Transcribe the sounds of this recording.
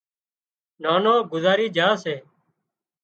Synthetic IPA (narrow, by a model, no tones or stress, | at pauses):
naːnoːɡʊzaːɾiːd͡ʒʱaːseː